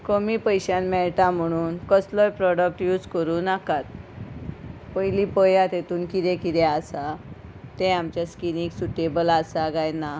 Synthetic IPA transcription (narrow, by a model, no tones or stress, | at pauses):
komipəjɕãnmɛɭʈam̤əɽ̃uːnkəslɔjpɾɔɽək̚ʈjuːd͡zkəɾuːnakat̪̚ | pəjlipəjãt̪et̪uːnkid̪ɛ̃kid̪ɛasat̪ɛ̃amt͡ɕjaskiniksuʈebəlasaɡajna